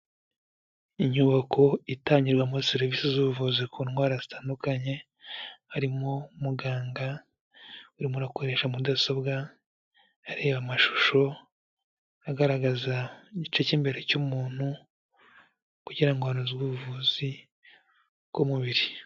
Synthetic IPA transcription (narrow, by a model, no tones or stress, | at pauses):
iɲuβakʰo̞itaːɲiɾɡwamuseɾiviːsizuβuvuːzikʰunwaːɾazitaːndukaɲe̞ | haɾimomuɡaːŋɡa | uɾimuɾakoɾe̞ʃamudasobɡa | aɾe̞ːβamaʃu̥ʃo̞ | aɡaɾaɡazaiɟit͡ʃe̞cimbe̞ɾe̞cumuːn̥hu | kuɟiɾaiŋɡwaːnuziuβuvuːzi | komuβiɾi